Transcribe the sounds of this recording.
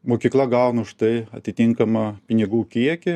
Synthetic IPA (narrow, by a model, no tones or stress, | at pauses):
moːkʲiːklˠɐɡɐʊnɐʊʃt̪ɐɪɐ̰t̪ʲɪt̪ʲɪŋkɐmɐpʲɪnʲɪɡuːkʲiɛkʲɪ